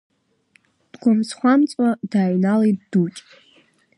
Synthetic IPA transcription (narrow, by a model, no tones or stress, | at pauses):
d̥ɡʷamsχʷamt͡sʼwadaːɥnaliddut͡ʃʲʼ